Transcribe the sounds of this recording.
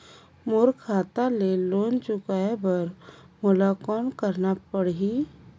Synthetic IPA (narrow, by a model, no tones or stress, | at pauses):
moːɾkʰaːt̪aleloːnt͡ʃʊkaebəɾ | mʊlakɔːnkəɾnapəɽɦi